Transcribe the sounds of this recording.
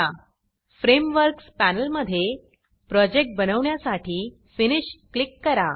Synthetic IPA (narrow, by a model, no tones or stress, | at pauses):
a | fɾemʋəɾkspænəlməd̪ʱːje | pɾɔd͡ʑek̚ʈ̚bənəʋɳjasaʈʰiː | finiɕklikːəɾa